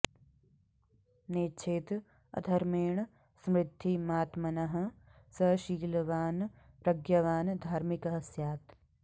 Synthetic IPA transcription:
neːt͡ʃʰet̪ | ɐ̰d̪ʱɐɾmeːɳ | smɾɪd̪ʱːimaːt̪mɐnɐɦɐ̆ | sɐʃiːlʋaːn | pɾɐɡjɐʋaːnd̪ʱaːɾmikɦɐsjaːt̪

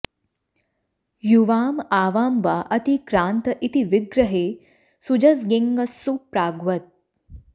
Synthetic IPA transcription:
juʋaːmaːʋaːmʋaːʔɐt̪ikɾaːnt̪ɐʔit̪iʋiɡɾɐɦeː | sud͡ʒɐsɡeŋɡɐsːupɾaːɡʋɐt̪̚

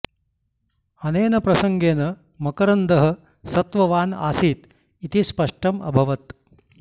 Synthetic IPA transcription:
ɐneːnɐpɾɐsɐŋɡeːnɐ | mɐkɐɾɐnd̪ɐɦɐ̆ | sɐt̪ʋɐʋaːna̰ːsiːt̪ | it̪ispɐʂʈɐmɐ̰bʱɐʋɐt̪

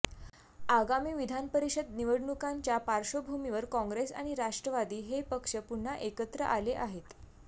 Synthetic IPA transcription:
aɡamiːʋid̪ʱanpəɾiɕəd̪niʋəɽɳukaɲt͡ɕjapaɾʂobʱumiʋəɾkɔ̃ŋɡɾesa̰ɽ̃iɾaʂʈɾəʋad̪iːɦepəkʂəpuɳ̤ːaʔekət̪ɾə̰ʔaleʔaɦet̪

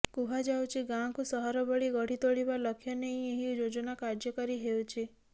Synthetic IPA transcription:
kuɦad͡ʒawt͡ʃʰiɡãkusɔɦɔɾɔbɔɭiɡɔɽ̤it̪oɭibaləkʰːjɔnejeɦiud͡ʒod͡ʒɔnakaɾd͡ʒɔkɔɾiɦewt͡ʃʰi

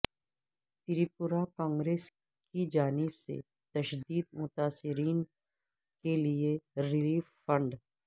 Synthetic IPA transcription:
t̪ɪɾipʊɾakãːŋɡɾeːs | kid͡ʒaːnɪbsḛ | t̪ɐʃd̪iːd̪̚mʊt̪aːsɪɾiːn | kelieɾɪliːffə̃ɳɖ

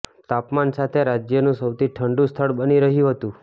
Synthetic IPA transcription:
t̪apmansat̪ʰeɾad͡ʒjənũsəwt̪ʰiʈʰəɳɖũst̪ʰəɭbəniɾəɦijũɦət̪ũ

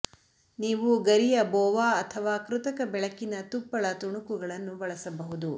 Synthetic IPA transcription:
niːʋuɡɐɾijɐbɔːʋaːɐt̪ʰɐʋaːkɾut̪ɐkɐbɛɭɐkːinɐt̪upːɐɭɐt̪uɳukuɡɐɭɐnːubɐɭɐsɐbɐɦud̪u

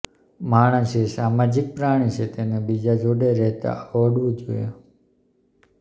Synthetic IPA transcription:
maɽ̃ə̃ʃesamad͡ʒik̚pɾaɽ̃it͡ʃʰet̪enebid͡ʒad͡ʒoɖeɾɛɦt̪a̰ʋəɽʋũd͡ʒo̰je

